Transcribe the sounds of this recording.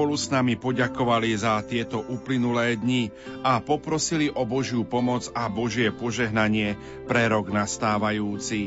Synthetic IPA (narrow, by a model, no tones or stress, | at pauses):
pɔlusnamipɔɟakɔʋalizat̪ɪɛt̪ɔʔuːplinulɛːd̪ɲi | apɔpɾɔsiliʔɔbɔʒjupɔmɔd͡zabɔʒɪɛpɔʒɛɦnaɲɪɛ | pɾɛɾɔɡnast̪aːʋajuːt͡si